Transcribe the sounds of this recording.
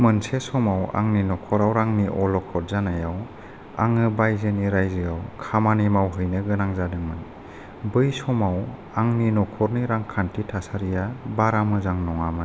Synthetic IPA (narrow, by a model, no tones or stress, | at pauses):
mɯnsesɔmawa̰ŋninɔkʰɔɾawɾaŋniʔɔlɔkʰɔɾ̚zanajaw | a̰ŋɯbajzɯniɾajzɯawkʰamanimawɦɯjnɯɡɯnaŋzadɯŋmɯn | bɯjsɔmaw | aŋninɔkʰɔɾniɾaŋkʰantitʰasaɾijabaɾamɯzaŋnɔŋamɯ